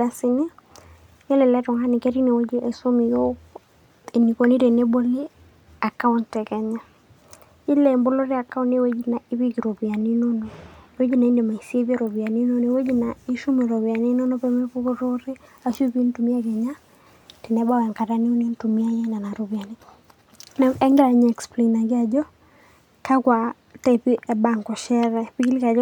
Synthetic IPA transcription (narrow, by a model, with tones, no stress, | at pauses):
a˨sɪ˨ni˦ | ɲɛ˦lɛ˨lɛ˦tɔ˨ŋa˦ni˨kɛ˦ɾi˦ne˨wo˦d͡ʒi˦ʔe˨so˦mi˨jo˦ | e˨ni˨ko˨ni˦te˨ne˦bo˦li˦ | a˨ka˦ʊ˦ntɛ˨kɛ˨ɲɛ˦ | i˦lɛ˨mbo˦lo˦ɾi˦a˨ka˦ʊ˦ne˦we˦d͡ʒi˦na˨ɪ˦bi˦ki˨ɾo˨bi˨a˨ni˦no˦no˨e˨we˦d͡ʒi˦na˨i˦nde˨ma˨i˨si˦e˦bi˦e˦ɾo˨bi˨a˨ni˦no˦no˨e˨˦we˦d͡ʒi˦na˨i˦ʃu˦me˨ɾo˨bja˨ni˦no˦no˦pe˦me˦pu˦ko˦ɾo˦ɾɪ˦a˨ʃu˦pi˦n˦tu˨mi˦a˦ɡɛ˨ɲa˦ | ti˨nɛ˦ba˦wɛ˨ŋka˨ta˦ni˦o˦ni˦ntu˨mi˦a˦je˦na˨na˨ɾo˨bi˨a˨ni˦ | nɛ˦ŋɡɪ˦ɾa˨ɲ˦ɛ˨ksple˨na˨ɡɪ˦a˨d͡ʒɔ˦ | ka˦kwa˨ | ta˦˨pi˦ʔɛ˨ba˨ŋkɔ˨ʃɛ˦ɾɛ˦pi˦ki˦li˦ka˨d͡ʒɔ˦